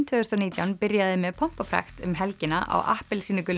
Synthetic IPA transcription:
t̪ʰʏʏɾst̪awniːt̪jawnpɪɾjaðɪmɛðpʰɔm̥papʰɾa̰xt̪ʏmɦɛlcɪnaʔa̰wʔa̰hpɪlsiːnɪkʏl

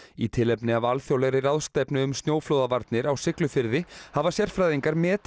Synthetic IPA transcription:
it̪ʰɪlɛpnɪavalθjowlɛɾɪɾaðst̪ɛpnɪʏmst̪njoːwfloːwðavaɾt̪nɪɾawsɪklʏfɪɾðɪhavasjɛr̥fɾajðiŋkaɾmɛːt̪

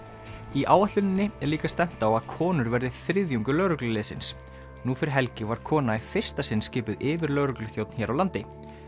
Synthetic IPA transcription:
iʔaːwaht̪lʏnɪnːɪɛɾliːkast̪ɛm̥t̪aːwaðkʰɔːnʏɾvɛɾðɪθɾɪðjuŋkʏlœɥɾʏklʏlɪːðsɪ̰ns | nufɪɾɪɦɛlcɪvaɾ̥kʰɔːnaifɪr̥st̪asɪnːscɪːpʏðɪːvɪɾlœɥɾʏklʏθjowt̪nçɛːɾawlant̪ɪ

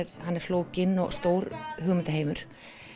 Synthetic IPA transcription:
ɛɾhanːɛɾ̥floːwcɪnːɔ̰ɣst̪oːwɾɦʏːɣmɪnt̪aɦeːjmʏɾ̥

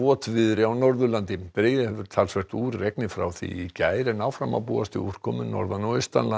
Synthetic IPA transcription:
ɔːt̪vɪðɾɪawnɔɾðʏlant̪ɪpɾɪjɪhɛvʏɾ̥t̪ʰalsvɛr̥t̪uːɾːeknɪfɾa̰wθḭicaːjɾɪnawfɾama̰wpṵːast̪ɪur̥kʰɔmʏnːɔ̰ɾðanːɔɪst̪a̰nla

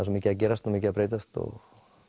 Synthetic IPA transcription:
asumicɪac̬ɛːɾast̪umicɪapɾeːjt̪ast̪ɔ̰ɣ

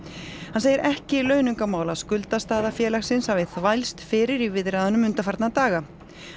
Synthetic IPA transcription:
hanseːjɪɾʔɛhcɪlœɥnʏŋkamaːwlaskʏlt̪ast̪aːðafjɛːlaxsɪnshavɪθvajlst̪fɪːɾɪɾivɪðɾaːðanʏmʏnt̪afaɾt̪nat̪aːɣa

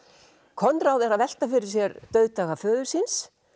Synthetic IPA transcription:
kʰɔnt̪ɾaːwðɛɾaðvɛl̥t̪afɪɾɪɾ̥s̬jɛɾt̪œɥðt̪aːɣafœːðʏɾ̥sɪns

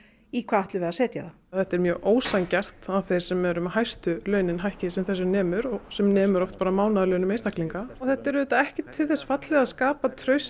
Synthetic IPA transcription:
ikʰvaːðaht̪lʏvɛɾðasɛːt̪jaða | θɛht̪ɛɾmjœːɣʔoːwsancɛr̥t̪aðθejɾ̥sɛmɛɾʏmhajst̪ʏlœːɥnɪnɦajhcɪsɛmθɛs̬ːʏnɛːmʏɾɔsɛmnɛːmʏɾɔft̪̚paːɾamaːwnaðlœːɥnʏmejnst̪ahkliŋkaɔθɛht̪ɛɾʏðɛːt̪aɛhcɪt̪ʰːɪlθɛsːfat̪lɛɣaðskaːpat̪ʰɾœɥs

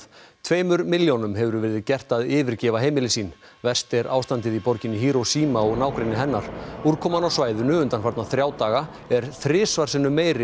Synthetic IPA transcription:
t̪ʰveːjmʏɾmɪljonʏmɦɛvʏɾʏvɛːɾɪðɪcɛr̥t̪aðɪːvɪɾcɛːvaɦeːjmɪlɪsiːn | vɛr̥st̪ɛɾʔa̰ːwst̪ant̪ɪðipɔɾcɪnːɪɦiːɾɔwsiːmaɔɣnaːwkɾɪnɪɦɛnːaɾ̥uɾ̥kʰɔːmanawsvaːjðʏnʏʏnt̪anfaɾt̪naθɾjaːwt̪aːɣa | ɛɾ̥θɾɪːsvaɾ̥sɪnːʏmeːjɾɪ

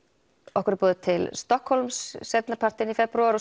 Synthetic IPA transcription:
ɔhkʏɾpɔːðɪt̪ʰɪlst̪ɔhkholmsːɛt̪napʰar̥t̪ɪnifɛpɾuaɾɔ

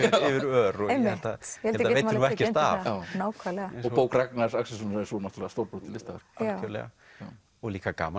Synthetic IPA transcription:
ɪvɪɾœɾɔejmːɛlt̪at̪jɛhɛlɛlaejtavɛcɪɾt̪a̰jawnaːwkʰvalɛɣaɔɣpoːwkɾak̚naɾsaksɪsɔnɛɾsunaht̪ɾlɛːðast̪owɾpɾowt̪ʰɪlɪst̪aːɣaɾ̥aœlɛ̰ɣa̰ | ja | ɔɣliːkaka̰ːma

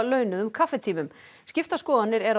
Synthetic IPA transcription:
lœːɥnʏðʏmkʰafɛt̪ʰiːmʏm | scɪft̪askɔːðanːɪɾɛɾa

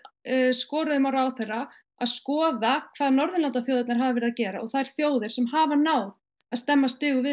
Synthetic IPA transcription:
skɔːɾaðʏmawɾaːwθejrːa | aðskɔːðakʰv̥aːðnɔɾðʏnlant̪aθjoːwðat̪naɾ̥ɦaːvavɛɾɪðacɛːɾa̰ɔɣθajɾ̥θjoːwðɪɾ̥sɛmɦaːvanaːwð | aðst̪ɛmːast̪ɪːɣʏvɪ

